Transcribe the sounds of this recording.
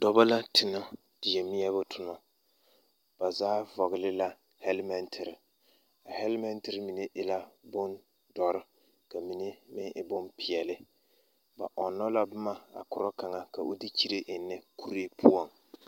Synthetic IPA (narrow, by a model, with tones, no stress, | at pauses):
d̥ɔ˦ba˦la˦tʰɪ˨nɔ˦ | d̥i˨jɛ˨mi˦ɛ˦βʊ˦tʰʊ˨nɔ˨ | b̥a˨zaː˦vɔ˨ɣɪ˨lɪ˦la˦ | hɛ˦lmɛ˦ntʰɪ˨ɾɪ˨ | a˨hɛ˦lmɛ˦ntɪ˨ɾɪ˦mi˨ne˦ʔɪ˨la˦bʊ˦n | dɔ˨ɾɪ˦ | ka˨mi˨ne˦mɪ˦ʔɪ˨bʊ˦npɪ˨jɛ˨lɪ˦ | ba̰˨ʔɔ˨nːɔ˦la˦bʊ˦ma˨a̰˨kʊ˨ɾɔ˦ka˨ŋa˨ka˨o˦di˦t͡ʃi˦ɾe˦ʔɪ˨nːɛ˦ku˦ɾe˦pʰu˦ɔ˦˨ŋ